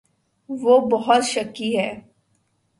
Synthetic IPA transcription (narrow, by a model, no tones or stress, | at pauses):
ʋoːbɔɦʊt̪ʃɐkːiɦɛː